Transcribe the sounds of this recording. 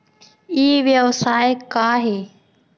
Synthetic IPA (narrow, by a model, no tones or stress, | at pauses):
iːʋjəʋsaːekaːɦeː